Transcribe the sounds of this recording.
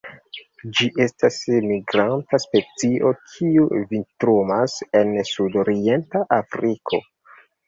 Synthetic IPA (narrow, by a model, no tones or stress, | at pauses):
d͡ʒiʔe̞stasmiɡɾantaspe̞t͡siʔo̞kʰiuvintɾumase̞nsudoɾie̞ntaʔafɾikʰo̞̰